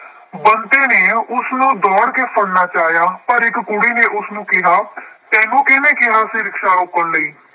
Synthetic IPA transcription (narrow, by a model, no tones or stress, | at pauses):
bənt̪eːneːʊsnũːd̪ɔːɽkeːpʰəɽnaːt͡ʃaːjaːpəɾɪkkʊɽiːneːʔʊsnũːkɪɦaːt̪ɛ̃ːnũːkɪnẽːkɪɦaːsɪɾɪkʃaːʊkːənləiː